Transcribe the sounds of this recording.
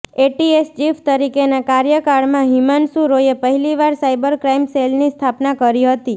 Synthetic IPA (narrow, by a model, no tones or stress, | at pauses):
eʈiest͡ʃift̪əɾikenakaɾjəkaɽmãɦimansuɾojepəɦiliʋaɾsaibəɾkɾaimselnist̪ʰapnakəɾiɦət̪i